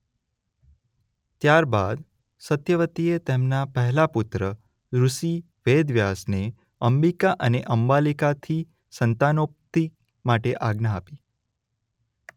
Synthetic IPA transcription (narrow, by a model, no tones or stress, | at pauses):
t̪jaɾba̰d̪ | sət̪jəʋət̪iet̪emnapəɦɛlaput̪ɾə | ɾuʃi | ʋed̪ʋjasne | əmbikaʔəneʔəmbalikat̪ʰi | sənt̪anop̚t̪i | maʈeʔaɡnəapi